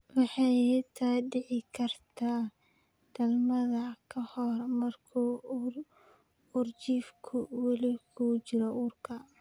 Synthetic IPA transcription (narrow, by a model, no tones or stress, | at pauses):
wɑħɑjɪt̪ʰaːɖɪʕɪkʰɐrt̪ʰaː | d̪̥ɐlmɐðɐkʰɐhɔrmɐrkʰu | ʊrt͡ʃiːfkʰʊwɑlɪkʰut͡ʃɪɾɔʔuːrkʰɐ